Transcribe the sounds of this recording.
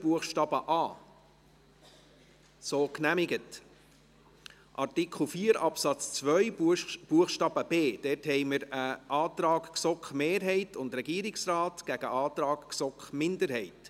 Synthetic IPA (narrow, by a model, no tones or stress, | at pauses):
buəχʃtɑːb̥əʔɑː | soːknæmɪɡət | ʔɑrtɪkχl̩fiːəɾɑpsɑt͡st͡sʋœʏb̥uəχʃtɑːb̥əb̥eːd̥ɛthɛɪjməɾəʔɑːt̪ɾɑːkksɔkχmeːɾɦɛɪtʊnd̪ɾɛɡiːɾɪksrɑːtɡ̥æɡ̥əʔɑːtɾɑːɡ̥ksɔkχmɪndəɾhɛɪt